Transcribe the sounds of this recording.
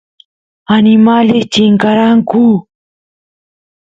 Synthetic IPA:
anɪmaʎet͡ʃɪŋkaɾaŋkʊ

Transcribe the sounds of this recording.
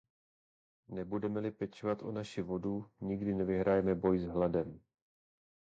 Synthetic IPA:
nɛbudɛmɛlɪpɛt͡ʃovat̪ʔonaʃɪvo̞duɲiɡdɪnɛvɪɦɾaːjɛmɛbo̞jzɦladɛm

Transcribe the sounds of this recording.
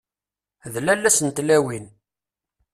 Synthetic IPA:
ðlælːæsənt̪læwin

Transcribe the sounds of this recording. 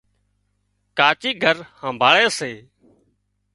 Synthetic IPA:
kaːt͡ʃiːɡʱəɾhãːmbʱaːɭeːseː

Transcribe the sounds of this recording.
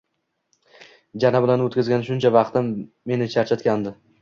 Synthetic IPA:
d͡ʒanabɪlanot̪kʲɪzɡʲanʃʊnt͡ʃʰavɑqt̪ɪmː | e̞nɪt͡ʃʰaɾt͡ʃʰat̪kʲand̪ɪ

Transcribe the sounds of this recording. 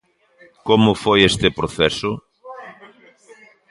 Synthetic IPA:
komʊfojest̪ɪpɾoθɛsʊ

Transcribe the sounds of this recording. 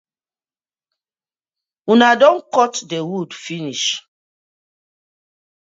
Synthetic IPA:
unadɔ̃nkɔtdewudfiniʃ

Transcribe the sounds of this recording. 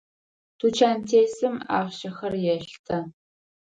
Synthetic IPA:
tʰuːt͡ʃʰaːntʰeːsɨma̰ːʁʃɐxɐrjɛɬtʰɐ

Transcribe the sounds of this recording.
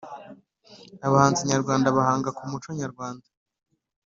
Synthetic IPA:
aβahaːnziɲaɾɡwaːndaβahaːŋɡakumut͡ʃoɲaɾɡwaːndḁ

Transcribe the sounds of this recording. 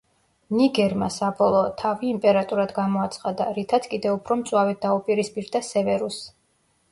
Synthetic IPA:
niɡɛɾma̰sabɔlˠɔːt̪ʰːaviːmpʼɛɾat̪ʼuɾad̪ɡamɔat̪sʰχad̪a̰ɾit̪ʰat̪kʼid̪ɛupʰɾɔmt̪sʼwavɛt̪̚d̪aupʼiɾispʼiɾd̪asɛvɛɾus

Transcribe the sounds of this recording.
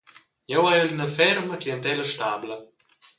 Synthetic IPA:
jɛwajəlnəfɛrməkiənt̪ɛləʃt̪ablə

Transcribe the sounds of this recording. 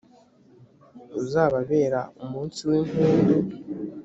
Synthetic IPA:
uzaːβaβe̞ːɾaumuːnsiweːnheːnɡu

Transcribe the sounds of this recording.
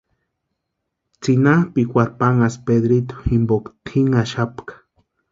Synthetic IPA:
t͡sinapikʷaɾpaŋaspeðɾit̪u̥imbokt̪ʰiŋaʃapkḁ

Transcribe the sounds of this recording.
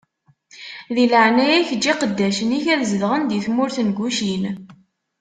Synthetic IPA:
ðiləʕnæjæçd͡ʒːiqəd̪ːæʃəniçæðzəðʁənd̪iθmʊɾθənɡʷuʃin

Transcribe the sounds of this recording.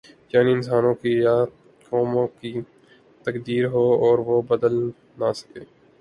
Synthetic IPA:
jaːniɪnsaːnõkija | kɔːmõki | t̪əkd̪iːɾɦoːɔːɾʋobəd̪əl | nasə̥keː

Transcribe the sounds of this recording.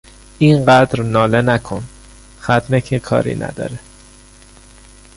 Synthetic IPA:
ʔiŋɢæd̪ɾnɒːlenækʰon | xæt̪ʰnecʰekʰɒ̰ːɾḭːnʔæ̰d̪ɒ̰ːɾe

